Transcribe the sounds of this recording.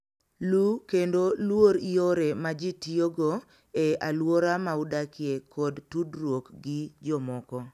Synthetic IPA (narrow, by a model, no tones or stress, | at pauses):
lukendolwoɾioɾemad͡ʒitioɡo | ealwoɾamaudakɪekɔdtudɾwokɡɪd͡ʒɔmɔkɔ